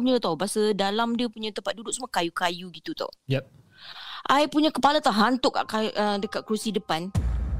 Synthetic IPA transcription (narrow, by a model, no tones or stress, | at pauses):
uɲət̪abasədalamdiəpuɲãt̪əmpat̪̚dudʊk̚səmuakajukajuɡit̪ut̪ɔ̰j | ʔajpuɲãkəpalat̪aɦant̪ʊʔkːa̰ʔkaədəkat̪̚kɾusidəpan